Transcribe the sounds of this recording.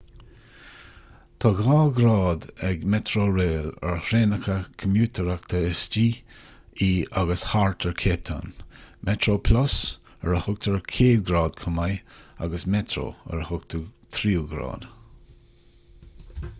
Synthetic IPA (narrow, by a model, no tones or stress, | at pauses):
t̪ʰɑːɡɑːɡɾɑːd̪ɛɡmɛt̪ɾoːɾeːlə̰ɹhɾeːnəkʰəkʰəmjuːt̪ʰəɹakt̪ʰəɪst͡ʃiː | iːaɡəshaɹt̪ʰəɹkʰeːp̚t̪ʰa̰nmʔɛt̪ɾoːpʰlʊs | əɹəhʊɡ̚t̪ʰəɹkʰeːdɡɾɑːd̪kʰʊmaja̰ɡəsmɛt̪ʰɾo̰ːə̰ɾhʊɡ̚t̪ʰut̪ʰɾiːɡɾɑ̰ːd̪̥